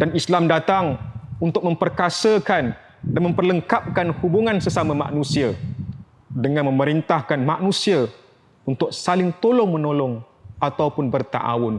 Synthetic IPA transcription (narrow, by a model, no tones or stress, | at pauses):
danislamdat̪aŋunt̪ʊk̚mə̃mpərkasəkan | danmə̃mpərləŋkap̚kanhubuŋãnsəsamama̰ʔnũsia | dəŋanmə̃məɾint̪ahkanmaʔnũsia | unt̪ʊk̚salɪŋt̪olɔŋmənolɔŋ | at̪aupʊnbərt̪a̰ʔa̰wʊn